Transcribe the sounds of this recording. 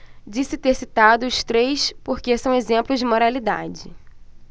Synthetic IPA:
d͡ʒisɪt̪eɾsit̪ad̪ʊʊʃt̪ɾejspoɾkesɐ̃w̃ezẽmplʊzd͡ʒɪmoɾalid̪a̰d͡ʒɪ

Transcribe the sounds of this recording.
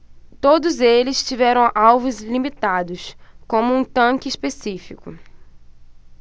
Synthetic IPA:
t̪od̪ʊzelɪst͡ʃivɛɾɐ̃w̃awvʊzlimit̪ad̪ʊskõmʊũt̪ɐ̃kɪispesifikʊ

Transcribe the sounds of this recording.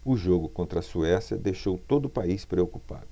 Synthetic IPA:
ʊʒoɡʊkõnt̪ɾɐsuɛsjɐd̪ejʃowt̪od̪ʊpaispɾeokupa̰d̪ʊ

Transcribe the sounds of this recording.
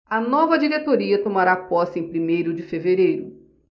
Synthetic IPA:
ɐnɔvɐd͡ʒiɾet̪oɾiɐt̪omaɾapɔsẽj̃pɾimejɾʊd͡ʒɪfeveɾejɾʊ

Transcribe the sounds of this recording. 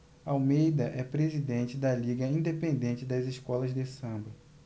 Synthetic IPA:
awmejd̪ɐʔɛpɾezid̪ẽt͡ʃɪd̪ɐliɡɐĩnd̪epẽnd̪ẽnt͡ʃɪd̪ɐziʃkɔlɐzd̪esɐ̃bɐ

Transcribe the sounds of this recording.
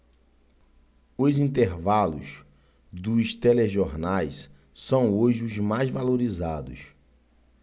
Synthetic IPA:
ʊzĩnt̪eɾvalʊ̰s | d̪ʊst̪eleʒoɾnajs | sɐ̃w̃oʒɪʊzmajzvaloɾizad̪ʊ̰s

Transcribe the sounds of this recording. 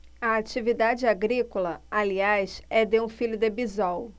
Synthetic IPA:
ɐat͡ʃivid̪ad͡ʒɪaɡɾikolɐaliajsɛd̪eũfilʊd̪ebizaw

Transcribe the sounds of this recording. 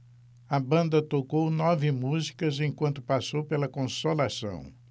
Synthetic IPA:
ɐbɐ̃nd̪ɐt̪okownɔvɪmuzi̥kɐzẽj̃kwɐ̃nt̪ʊ̥pasowpelɐkõsolasɐ̰̃w̃

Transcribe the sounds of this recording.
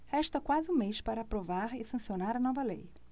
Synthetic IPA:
hɛʃt̪ɐkwazɪũmeʃpaɾɐːpɾovaɾɪsɐ̃sionaɾɐnɔvɐlej

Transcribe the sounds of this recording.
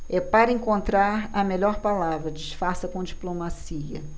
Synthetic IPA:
ɛpaɾɐẽŋkõnt̪ɾaɾɐmeʎɔɾpalavɾɐd͡ʒɪʃfaɾsɐkõd͡ʒiplomasiɐ̰

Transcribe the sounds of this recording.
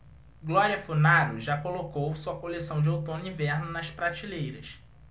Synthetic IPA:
ɡlɔɾiɐfunaɾʊʒakolokowsuɐkolesɐ̃w̃d͡ʒɪowt̪õnʊĩvɛɾnʊnɐʃpɾat͡ʃilejɾɐs

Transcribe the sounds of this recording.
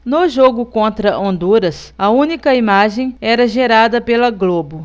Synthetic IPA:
nʊʒoɡʊkõnt̪ɾɐʔõnd̪uɾɐsɐũnikɐimaʒẽj̃ɛɾɐʒeɾad̪ɐpelɐɡlobʊ

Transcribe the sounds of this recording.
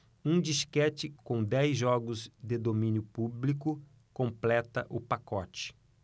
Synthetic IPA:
ũd͡ʒiʃkɛt͡ʃɪkõd̪ɛjzʒɔɡʊzd̪ɪd̪omĩnjʊpublikʊ | kõmplɛt̪ɐʔʊpakɔt͡ʃɪ̥

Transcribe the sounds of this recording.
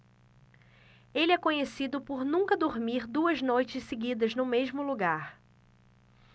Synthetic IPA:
elɪɛkõɲesid̪ʊpoɾnũkɐd̪oɾmiɾd̪uɐznojt͡ʃɪsseɡid̪ɐznʊmeʒmʊluɡaɾ

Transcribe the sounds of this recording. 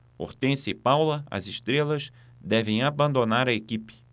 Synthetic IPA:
o̰ɾt̪ẽsɪpawlɐɐ̰zɪʃt̪ɾelɐz | d̪ɛvẽj̃abɐ̃nd̪onaɾɐekipɪ̥

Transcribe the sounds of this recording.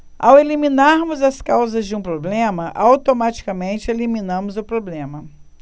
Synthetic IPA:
aweliminaɾmʊzɐskawzɐzd͡ʒɪũpɾoblẽmɐʔawt̪omat͡ʃi̥kɐmẽnt͡ʃɪelimĩnɐ̃mʊzʊpɾoblẽmɐ

